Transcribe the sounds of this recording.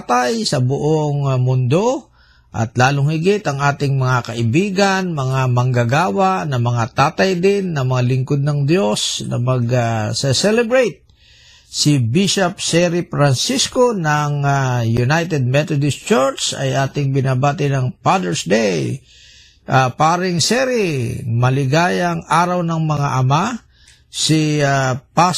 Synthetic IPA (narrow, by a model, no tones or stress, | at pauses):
t̪ajsɐbʊʔoŋmʊnd̪o̞ | ʔɐ̰t̪laːlʊŋhɪɡɪt̪ɐŋʔaːt̪ɪŋmɐŋakɐʔɪbiːɡɐnmɐŋamɐŋɡaɡaːwanɐmɐŋat̪aːt̪ɐjd̪ɪnːɐŋmɐŋalɪŋkod̪̚nɐŋd̪jo̞snɐ̰mɐɡsɛsɛlɛbɹejt̪̚ | sɪbiʃɐp̚sɛɾɪpɾansiskonɐŋajʊnajt̪ɛd̪̚mɛt̪od̪ɪst͡ʃɔɹt͡ʃɐ̰jʔaːt̪ɪŋbɪnaːbaːt̪ɪnɐŋpad̪ɛɹsd̪ɛj | ʔapaːɾɪŋsɛɾɪmɐlɪɡaːjɐŋaːɾɐwnɐŋmɐŋaʔɐma | sɪapa